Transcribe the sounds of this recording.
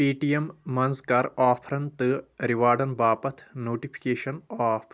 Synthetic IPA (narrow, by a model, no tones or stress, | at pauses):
piːʈijɐmmɐnzkɐɾaːpʰɾɐnt̪ɨɾiʋaːɾɖɐnbaːpɐt̪ʰnoːʈipʰi̥keːʃɐnaːpʰ